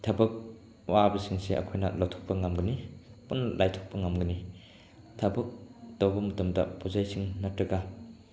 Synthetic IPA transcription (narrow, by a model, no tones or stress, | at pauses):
tʰabɐk̚ | wabisiŋseʔɐ̰kʰojnɐ̰lawtʰɔ̥k̚pɐŋamɡɯnipunːɐlʔajtʰɔ̥k̚pɐŋamɡɯni | tʰɐbɐk̚dowbɐmɐtɐmdɐ̰pʰozajsiŋnɐtɾɐɡa